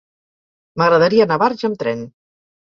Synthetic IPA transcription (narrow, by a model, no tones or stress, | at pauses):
məɣɾəðəɾiənaβaɾʒəmt̪ɾɛn